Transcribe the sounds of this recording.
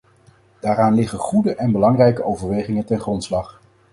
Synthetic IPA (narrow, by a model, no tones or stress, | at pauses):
d̥aːɾaːnlɪχənχudəʔɛnbəlɑŋrɛjkəowvəɹʋejχɪŋəntɛnχrɔntslɑχ